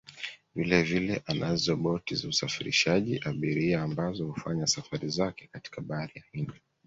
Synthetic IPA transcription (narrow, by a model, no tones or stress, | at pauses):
vilɛvilɛʔanazɔɓɔtizausafiɾḭʃaʄiʔaɓiɾiaːmbazɔhufaɲasafaɾizakɛkati̥kaɓaaɾijahindi